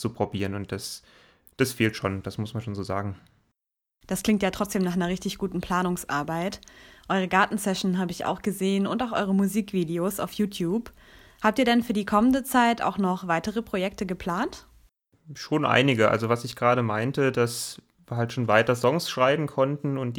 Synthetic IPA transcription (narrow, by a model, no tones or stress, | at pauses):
t͡supʁ̥obiːʁənʊnt̚d̥as | d̥asfeːltʃo̰ːnd̥asmʊsmanʃoːnzoːza̰ːɡŋ̩ | d̥askl̥ɪŋktjaːtʁ̥ɔt͡sd̥eːmnaːχanɐʁɪçtɪçɡ̥uːtn̩pʰl̥aːnʊŋsʔa̰ɐbaɪtʔɔʏʁ̞əɡaɐtn̩sɛʃn̩ɦaːbəɪça̰ʊxɡ̥əzeːənʊntaʊxʔɔʏʁəmuziːkv̥iːdeoːsa̰ʊfjuːtʰjuːp | haːp̚tiːɐdɛnfyːɐdiːkʰɔməndət͡saɪtʔa̰ʊxnɔχv̥aɪtəʁ̞əpʁ̥ojɛk̚təɡəpʰl̥aːnt | ʃoːnʔa̰ɪnɪɡəʔa̰lzovasɪçɡ̥ʁaːɾəmaɪntədas | viːɐhaltʃoːnvaɪtɐzɔŋsʃʁ̥aɪbm̩kʰɔntn̩ʊnt̚d̥